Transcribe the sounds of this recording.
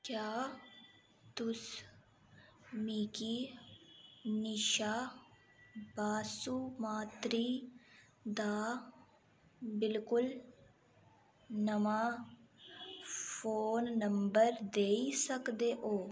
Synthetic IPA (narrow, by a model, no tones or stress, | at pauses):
kjaː | t̪ʊs | miːkiː | nɪʃaː | baːsuːmaːt̪ɾiː | d̪aː | bɪlkʊl | nəmaː | fʰoːnːəmbəɾd̪eːisəkd̪eːʔoː